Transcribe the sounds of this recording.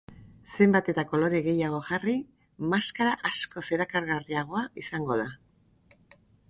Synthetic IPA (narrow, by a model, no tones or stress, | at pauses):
se̞mbat̪e̞t̪ako̞lo̞ɾeɣe̞jaɣ̞o̞ʝari | maskaɾaʔasko̞se̞ɾakaɾɣariaɣ̞o̞aisaŋɡo̞ða